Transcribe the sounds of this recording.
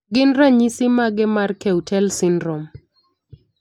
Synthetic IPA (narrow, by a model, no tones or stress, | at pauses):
ɡɪnɾaɲisɪmaɡɪmarkɛutʰɛlsɪndɾɔm